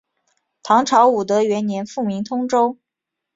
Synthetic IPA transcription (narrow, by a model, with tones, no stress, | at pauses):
t̪ʰɑ˧˥ŋʈ͡ʂʰɑ˧˥ʊu˨˩t̪ə˧˦ɥɛ˧˥nnjɛ˧˥nfu˥˩mi˧˥ŋt̪ʰʊ˥ŋʈ͡ʂo˥ʊ